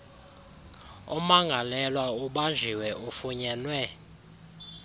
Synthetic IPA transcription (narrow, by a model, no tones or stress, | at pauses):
ṵmaŋɡʱalɛlwauɓand͡ʒʱiwɛʔufuɲɛːnwɛ